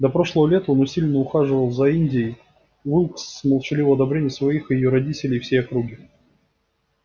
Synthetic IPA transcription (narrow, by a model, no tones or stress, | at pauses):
d̪ɐpɾo̞ʂlˠəvəlʲet̪əonʊsʲilʲnəʊxaʐɨvəlˠzɐinʲdʲɪ | vɨlˠksməlˠʂɨlʲivəɐd̪ɐbɾʲenʲɪjəsvɐixɨjɪjoɾɐdʲitʲɪlʲɪjfsʲejɐkɾuɡʲɪ